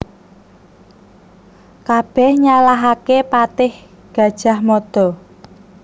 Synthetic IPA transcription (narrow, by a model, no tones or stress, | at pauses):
kab̥ɛhɲalaɦakepat̪ɪh | ɡ̥ä̤d̥ʒ̥a̤hmɔd̪̥ɔ̤